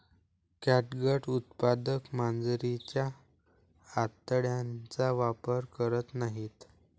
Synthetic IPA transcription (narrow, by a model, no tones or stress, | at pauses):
kæʈɡəʈut̪pad̪əkmand͡zɾit͡ɕjaː | t̪ːəɽjãnt͡saʋapəɾkəɾət̪naɦiːt̪